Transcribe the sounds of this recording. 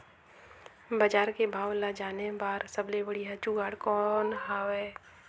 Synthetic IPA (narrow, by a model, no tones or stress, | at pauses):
bad͡ʒaːɾkebʱaːwlad͡ʒaːnebaːɾsəblebəɽiɦat͡ʃuɡaːɽkɔːnɦaːwɛː